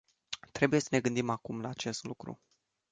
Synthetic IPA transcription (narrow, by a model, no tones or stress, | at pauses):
t̪ɾe̞buje̞sə̥ne̞ɡɨnd̪imakumlaːt͡ʃe̞st̪lukɾṵ